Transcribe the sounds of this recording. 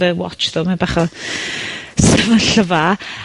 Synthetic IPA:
əwɔ̰t͡ʃðomabaχɔ | səvənɬəva

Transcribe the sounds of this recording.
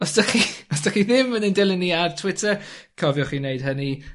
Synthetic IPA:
ɔsd̥əχiɔsd̥əχiðɪmːənindɪlˠɪnːiartʰwɪtʰəkʰɔvjʊχinejd̥ɦəni

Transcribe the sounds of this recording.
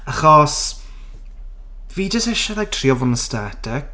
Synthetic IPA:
aχɔs | viːd͡ʒəsɛʃalajk̚tʰriːɔvʊnəstɛtʰɪk

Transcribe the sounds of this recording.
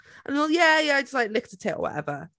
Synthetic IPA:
ə̃nɔlˠjæjæaɪd͡ʒʌstlaɪk̚lɪk̚tʰətʰɪʔə̰˞wɒ̰tɛ̰və

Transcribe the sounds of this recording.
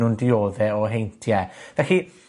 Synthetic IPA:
undɪoːðɛɔɦejntʰjɛvɛɬi

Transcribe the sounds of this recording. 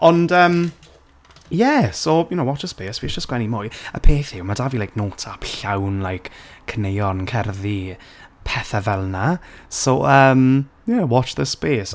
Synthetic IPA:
ɔndəm | jɛsojʊnowɔt͡ʃəspeːswisd͡ʒ̥əsɡ̥wɛnimʊjə̰pʰeːθɪwmadavilajk̚noːtʰapɬawnlajkʰkʰːənejɔnkʰɛrði | pʰɛθavɛlˠnasoəm | jɛwɔt͡ʃðəspeːs

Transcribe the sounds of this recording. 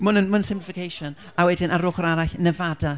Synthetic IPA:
mʊnənmənnsɪ̃mplɪfɪkʰejʃɔn | awɛdɪnʔaɾʊːχɔɾaɾaɬnɛvada

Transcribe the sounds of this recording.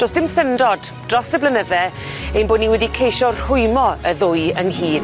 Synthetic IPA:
d̥oːsd̥ɪmsəndɔd | d̥rɔsdəblˠənəðɛ | ejnboːdniwɛdikʰejʃɔr̥ʊjmɔəðʊjənhiːd

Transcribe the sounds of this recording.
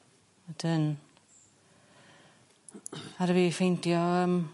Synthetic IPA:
ɛdən | aɾəvifejntjɔəːm

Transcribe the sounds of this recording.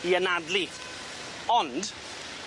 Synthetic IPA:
iənadli | ɔnd̥

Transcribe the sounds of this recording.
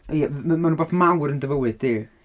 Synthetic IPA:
jɛmmanũːboːθmawɾəndəvəwɨddi

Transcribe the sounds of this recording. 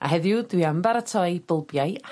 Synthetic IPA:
a̰ɦɛðjʊdwiambaɾatʰɔɨb̥əlˠbjaɨ

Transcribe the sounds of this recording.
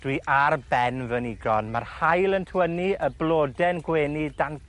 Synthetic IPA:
d̥wiʔarbɛnvəniɡrɔnmarhajlˠəntʰwəniəblˠoːdɛnɡweːnidan

